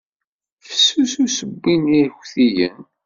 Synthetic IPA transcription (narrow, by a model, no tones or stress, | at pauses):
θə̥sːususəbːiniçθijə̰n